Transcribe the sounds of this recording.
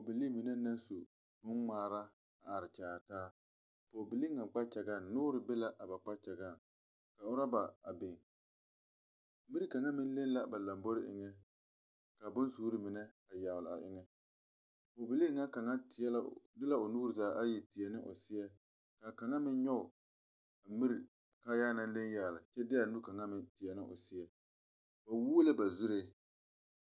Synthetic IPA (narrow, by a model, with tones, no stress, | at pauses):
po˨bɪ˨li˦mi˨nɛ˦na˦nsu˨ | bʊ˦nŋ͡maː˨ɾa˦ | a˨a˨ɾɪ˨t͡ʃaː˨taː˦ | poː˨bɪ˨li˦ŋa˨k͡pa˦t͡ʃɛ˨ɡa˦˨nnʊː˦ɾɪ˨be˦la˦ʔa˨ba˨k͡pa˦t͡ʃɛ˨ɡa˦˨n | ka˨ʊ˦ɾa˦ba˨a˨be˨ŋ˦ | mi˦ɾɪ˦ka˨ŋa˦mɪ˦n˦le˦n˦la˦ba˨la˨mbo˦ɾɪ˦ʔɪ̰˨ŋɛ˦ | ka˨bʊ˦nsuː˦ɾɪ˦mɪ˨nɛ˦ | a˨jaː˨wlɪ˨a̰˨ʔɪ̰˦ŋɛ˦ | o˨bɪ˨li˦ŋa˦ka˨ŋa˦tɪ˨ɛ˦la˦dɨ˦la˦o˨nuː˦ɨ˨zaː˨˦ʔa˦ji˨ti˨ɛ˨nɨ˦ʔo̰˨sɪ˦ɛ˦ | ka˨ka˨ŋa˦mɪ˦n˦ɲɔ˦ʊ˨ | mi˦ɾi˨ | ka˦jaː˦na˦n˦le˦njaː˨lɪ˨t͡ʃɛ˦dɪ˦a˨nu˦ka˨ŋa˦mɪ˨tɪ˨ɛ˨nɨ˦ʔo̰˨sɪ˦ɛ˦ | ba˨wuː˦lɨ˦ba˨zu˦ɾe˦